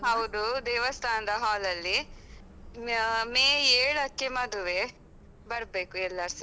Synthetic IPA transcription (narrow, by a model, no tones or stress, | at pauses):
ɦɐwd̪ud̪ɛːʋɐst̪ʰaːnɐd̪ɐɦaːlɐlːi | meːeːɭɐkːemɐd̪uʋe | bɐɾbe̞ːkuɛlːɐɾsɐ